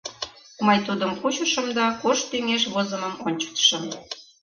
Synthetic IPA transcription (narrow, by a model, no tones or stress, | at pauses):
mɤjt̪ud̪əmput͡ɕə̆ʃə̆md̪ɑkoʃt̪yŋeʃβozə̆mə̆monʲt͡ɕə̥k̚t̪ʃə̆m